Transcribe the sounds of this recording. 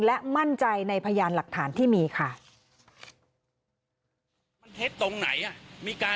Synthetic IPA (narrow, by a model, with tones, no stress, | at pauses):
lɛ˦˥ma˥˩nt͡ɕa˧jna˧jpʰa˧jaː˧nla˨˩k̚t̪ʰaː˩˦nt̪ʰiː˥˩miː˧kʰa˥˩ | ma˧nt̪ʰe˦˥t̪ːo˧ŋna̰˩˦jʔa˧˩miː˧kaː˧